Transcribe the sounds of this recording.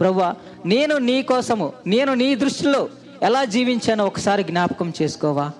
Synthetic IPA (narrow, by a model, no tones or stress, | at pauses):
pɾɐbua | ne̞ːnuniːkɔːsɐmune̞ːnuniːd̪ɾuʂʈilo̞ː | ɛlaːd͡ʒiːʋiɲt͡ʃaːniɔkɐ̥saːɾiɡnʲaːpɐ̥kɐmt͡ʃe̞ːsu̥kɔːʋaː